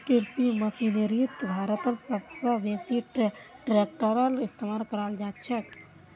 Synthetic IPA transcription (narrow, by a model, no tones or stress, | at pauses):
kɪɾsiməsineɾit̪bʱaːɾət̪əɾsəbsəʋjekt̪iʈʈɾeːk̚ʈoɾalɪst̪emaːlkəɾaːld͡ʒaːt̪t͡ʃʰɛk